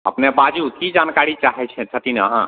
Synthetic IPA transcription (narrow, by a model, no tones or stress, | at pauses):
ə̰pnebad͡ʒukid͡ʒankaɾit͡ʃaɦɛt͡ʃʰɛ̃t͡ʃʰət̪ina̰ɦã